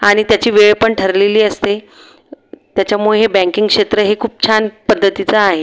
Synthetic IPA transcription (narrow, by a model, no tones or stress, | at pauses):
aɽ̃it̪jat͡ɕiːʋeɭpəɳʈʰəɾleliːəst̪e | t̪jat͡ɕjamuɭeɦebæ̃ŋkiŋɡkʂet̪ɾəɦekʰuːp̚t͡ɕʰanpəd̪ʱːət̪it͡saːɦe